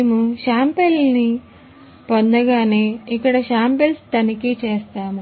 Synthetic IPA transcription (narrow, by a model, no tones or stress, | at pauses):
neːmuʃaːmpelni | pond̪ɐɡaːneːikːɐɽɐʃaːmpelst̪ɐnikit͡ʃeːst̪aːmu